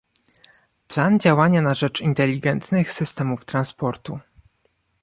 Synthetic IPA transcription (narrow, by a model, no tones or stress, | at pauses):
pland͡ʑawaɲanaʐɛt͡ʂint̪ɛlʲːiɡɛnt̪nɘxsɘst̪ɛmuft̪ɾanspɔɾt̪u